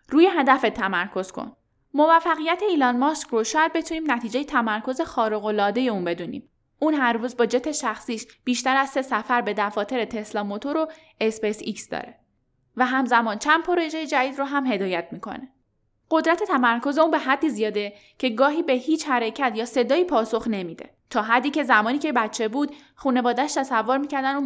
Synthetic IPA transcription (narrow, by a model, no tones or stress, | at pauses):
ɾuːje̞ɦæd̪æfet̪ʰːæmæɾkʰo̞z̥kʰo̰n | mo̞væfːæɣijæt̪ʰe̞iːlɒːnmɒskɾoʃjæd̪̚be̞t̪ʰuniːmnæt̪ʰiːd͡ʒe̞jet̪ʰæmæɾkʰo̞ze̞xɒːɾoɣo̞lɒːd̪e̞je̞uːnbe̞d̪unḭːm | ʔuːnɦæɾruːzbɒːd͡ʒet̪ʰːe̞ʃæxsiːʃb̥iːʃt̪æɾæz̥se̞sæfæɾbe̞d̪æfɒːt̪ʰe̞ɾet̪ʰe̞slɒːmot̪ʰo̞ɾo̞ | espesiksd̪ɒ̰ːɾe | væɦæmzæmɒːnt͡ʃʰænd̪pʰoɾeʒejed͡ʒæd̪iːd̪roɦæmɦe̞d̪ɒːjæt̪ʰmiːkʰo̰ne | ɢ̥o̞d̪ɾæt̪ʰe̞t̪ʰæmæɾkʰo̞ze̞uːnbe̞ɦæd̪ːiːzijɒːd̪e | cʰe̞ɡɒːɦiːbe̞hiːt͡ʃhæɾecʰæt̪ʰjɒːse̞d̪ɒːiːpʰɒːso̞xnemiːd̪e̞̰ | t̪ʰɒːɦæd̪ːiːce̞zæmɒːniːcebætt͡ʃʰːe̞buːd̪ | χuːne̞vɒːd̪æʃt̪ʰæsævːoɾmiːcæɾd̪ænu